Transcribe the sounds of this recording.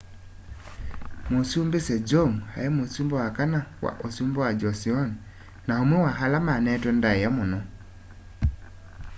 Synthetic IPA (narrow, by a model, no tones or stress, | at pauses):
mosumbesɛd͡ʒɔŋha̰ɛmosumbɔwakanawa̰ʔosumbɔwad͡ʒɔsiɔn | naomwɛwaɦalamanɛtɛndaɛjamonɔ